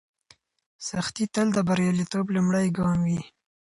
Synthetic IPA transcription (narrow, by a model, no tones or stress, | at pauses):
saxt̪it̪əld̪əbaɾjɑlit̪oblumɽəjɡɑmwi